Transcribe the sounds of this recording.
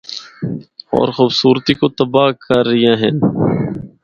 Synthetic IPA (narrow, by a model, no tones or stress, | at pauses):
ɔ̰ːɾxuːbsuːɾt̪ikot̪ɐbaːkɐɾːijãːɦɛ̃n